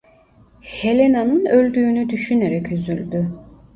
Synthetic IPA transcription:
he̞lʲenanɯnø̞lʲd̪yːnyd̪yʃyne̞ɾɛcyzylʲd̪y

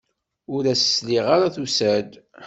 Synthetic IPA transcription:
ʊɾæsə̥sliʁaɾaθusæd̪

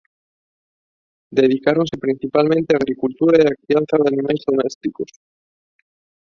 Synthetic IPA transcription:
d̪eð̞ikaɾonsepɾin̟θipalmẽnt̪eaːɣ̞ɾikult̪uɾaeakθijanθaðanĩmajzðomɛst̪ikos

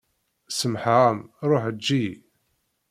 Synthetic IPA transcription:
səmħʁmɾˤoħd͡ʒːi

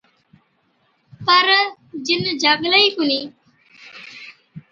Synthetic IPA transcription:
pəɾ | d͡ʒɪnd͡ʒʱaːɡləiːkuniː

